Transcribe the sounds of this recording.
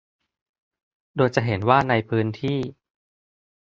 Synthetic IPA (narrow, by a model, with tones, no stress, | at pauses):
doː˧jt͡ɕa˨˩ɦe˩˦nwaː˥˩na˧jpʰɯː˦˥nt̪ʰiː˥˩